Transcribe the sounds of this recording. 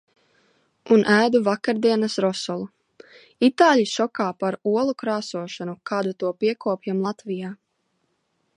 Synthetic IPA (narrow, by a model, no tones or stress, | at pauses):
unʔæːd̪uvakaɾd̪iɛnasɾɔsɔlˠu | it̪aːlʲiʃɔkaːpaɾuɔlˠukɾaːsuɔʃanukɑːd̪ut̪uɔpiɛkɔːpjamlˠat̪vijaː